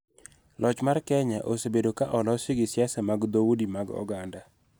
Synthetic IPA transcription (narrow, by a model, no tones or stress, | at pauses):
lɔt͡ʃmarkɛɲaʔosebedokaʔɔlɔsɪɡɪsɪjasɛmaɡd̪oudimaɡɔ̰ɡanda